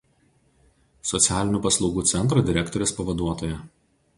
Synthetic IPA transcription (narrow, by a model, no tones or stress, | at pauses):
sɔt̪sʲæːlʲɪnʲuˑːpɐslˠɒʊɡuːt̪sʲɛnt̪̬ɾod̪ʲɪɾʲɛkt̪ɔɾʲʊspɐʋɐd̪uɔt̪oːjɛ